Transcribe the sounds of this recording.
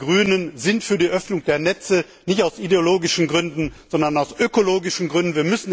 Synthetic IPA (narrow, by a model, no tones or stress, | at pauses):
ɡʁyːnənzɪntfyːɐdiːʔœfnʊŋd̥eːɐnɛt͡sə | nɪçtaʊsʔideoloːɡɪʃn̩ɡʁʏndn̩z̥ɔndɐnaʊsʔøkoloːɡɪʃn̩ɡʁʏndn̩viːɐmʏsn̩